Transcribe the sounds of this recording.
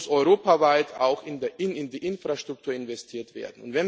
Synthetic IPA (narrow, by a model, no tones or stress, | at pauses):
sʔɔʏʁoːpavaɪtʰa̰ʊxɪndeʔɪnɪndiːʔɪnfʁ̥aʃtʁ̥ʊk̚tʰuːɐɪnvɛstʰiːɐtv̥ḛːɐdn̩ʊ̰ntv̥ɛn